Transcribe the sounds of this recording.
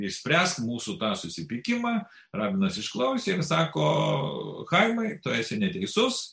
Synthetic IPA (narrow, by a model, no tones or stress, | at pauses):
ɪʃʲsʲpʲɾʲæːst̪muːsʊt̪ɑːsʊsʲɪpʲɪkʲɪmɑː | ɾɑːbʲɪnɐsɪʃklˠɐʊsʲeɪɾsɑːkoː | xɐɪmɐɪt̪oæːsʲɛnʲɛt̪ʲɛɪsʊs